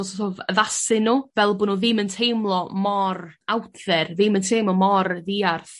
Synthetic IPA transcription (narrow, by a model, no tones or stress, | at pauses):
ɔstoːvəvasɪnuːvɛlˠbʊːnuːðɪməntʰejmlˠɔmɔrawtʰðɛrðɪməntʰejmlɔmɔɾðiːarθ